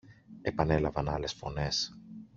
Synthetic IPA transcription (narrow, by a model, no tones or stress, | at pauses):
e̞pɐne̞lɐvɐnɐle̞sfo̞̰ne̞s